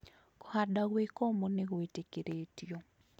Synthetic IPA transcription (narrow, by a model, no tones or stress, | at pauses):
kɔhadaɣwekomoneɣwetekeɾetjo